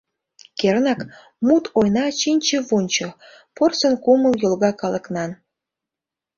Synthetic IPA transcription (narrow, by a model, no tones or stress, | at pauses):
kernɑk | mut̪ʰojnɑt͡ɕinʲt͡ɕəβunʲt͡ɕo | porsənkuməljolɣɑkɑlə̆knɑn